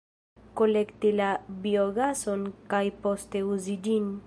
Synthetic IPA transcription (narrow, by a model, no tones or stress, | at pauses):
kolekt̪ilabjoɣasonkajpost̪euzid͡ʒin